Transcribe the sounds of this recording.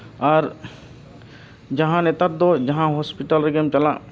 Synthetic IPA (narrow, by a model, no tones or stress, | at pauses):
ɔːɾ | d͡ʒɐɦãnet̪əɾ̚d̪od͡ʒɐɦãɦoːspiʈəlɾeɡəmt͡ʃɐlã̰